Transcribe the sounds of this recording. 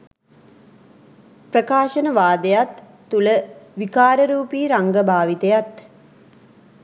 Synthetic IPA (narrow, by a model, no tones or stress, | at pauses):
prəkaːʃɐnəʋaːd̪ejat̪ː | uləʋikaːɾəɾuːpiːɾaŋɡəbʱaːʋit̪ejat̪